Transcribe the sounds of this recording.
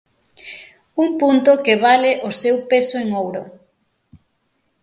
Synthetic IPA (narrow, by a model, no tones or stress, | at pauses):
uŋpunt̪ʊkeβalɪʔʊsewpesoeŋowɾʊ